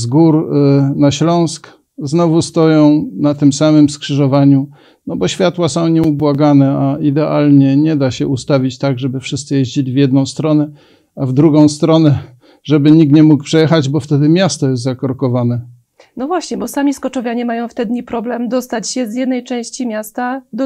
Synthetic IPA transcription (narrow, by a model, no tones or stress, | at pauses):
zɡuɾnaɕlɔ̃w̃sk | znɔvust̪ɔjɔ̃w̃nat̪ɘmsamɘmskʂɘʐɔvaɲu | nɔbɔɕfʲjat̪wasɔ̃w̃ɲɛubwaɡanɛaid̪ɛʔalɲɛɲɛd̪aɕɛust̪avʲit͡ɕt̪aɡʐɛbɘfʂɘst̪sɘjɛʑd͡ʑelʲivʲjɛd̪nɔ̃w̃st̪ɾɔnɛ | avd̪ɾuɡɔ̃w̃st̪ɾɔnɛ | ʐɛbɘɲik̚t̪ɲɛmuk̚pʂɛjɛxad͡ʑbɔft̪ɛd̪ɘmʲjast̪ɔjɛst̪zakɔɾkɔvanɛ | nɔvwaɕɲɛbɔsamʲiskɔt͡ʂɔvʲjaɲɛmajɔ̃w̃ft̪ɛd̪ɲipɾɔblɛmd̪ɔst̪at͡ɕɕɛzjɛd̪nɛjt͡ʂɛ̃w̃ɕt͡ɕimʲjast̪ad̪